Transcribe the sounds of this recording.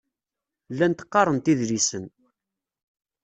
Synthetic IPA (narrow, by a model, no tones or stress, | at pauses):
lːænt̪ə̥qːɑɾˤənt̪iðɾisən